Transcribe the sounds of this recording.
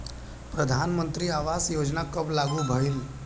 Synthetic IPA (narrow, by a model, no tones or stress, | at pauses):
pɾəd̪ʱaːnmə̃nt̪ɾiaːʋaːsjoːd͡ʒnakəblaɡubʱəil